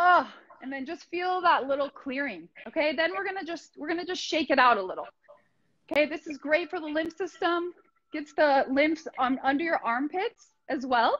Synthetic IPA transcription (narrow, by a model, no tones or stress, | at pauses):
ʌ | ɨ̃nðɨ̃nd͡ʒʌstfilˠðətˡlɪɾl̩ˠkʰl̥ɪɹɪ̃ŋoʊkʰeɪðɨ̃nwɪɹɡʌnɨd͡ʒʌst̚wɪɹɡʌnɨd͡ʒʌstʃeɪkɨɾaʊɾəlɪɾl̩ˠ | oʊkʰeɪðɪsɨzɡɹeɪtfə˞ðəlɪ̃mpsɪstə̃m | ɡ̥ɛtsðəlɪ̃mpsmʌ̃ndə˞jə˞ʔɑɹmpʰɪts | ʔɨzwɛlˠ